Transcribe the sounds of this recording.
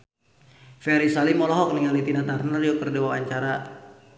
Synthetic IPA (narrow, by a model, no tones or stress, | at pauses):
fɛɾisalimɔlɔɦɔk̚niŋalit̪inat̪arnariokərdewawaɲt͡ʃaɾa